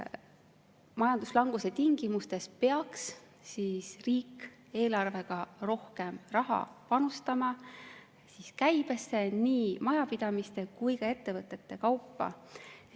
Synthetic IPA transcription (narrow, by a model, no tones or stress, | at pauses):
mɑjɑnd̪̥uslɑŋɡ̥use̞t̪iŋɡ̥imust̪e̞speɑks | sisriːkː | e̞ːlɑrve̞ɡ̥ɑɾo̞hke̞mrɑɦɑ̰pɑnust̪ɑmɑ | siskæjb̥e̞sːe̞niːmɑjɑpid̪̥ɑmist̪e̞kujkɑe̞t̪ːe̞vɤt̪ːˑe̞t̪ːe̞kɑwpːɑ̰